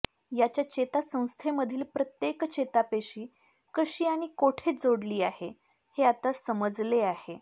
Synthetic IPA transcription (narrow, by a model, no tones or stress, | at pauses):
jat͡ɕjat͡ɕet̪asə̃w̃st̪ʰeməd̪ʱiːlpɾət̪jekt͡ɕet̪apeɕiː | kəɕiːaɽ̃ikoʈʰed͡zoɽliːahe | heat̪asəməd͡zleahe